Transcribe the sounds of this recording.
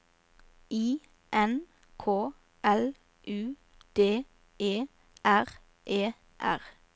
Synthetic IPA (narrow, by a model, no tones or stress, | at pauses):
iː | ʔɛn | kʰoː | ʔɛl | ʔʉː | d̪̥eː | ʔeː | ʔæʁ | ʔeː | ʔæ̰ʁ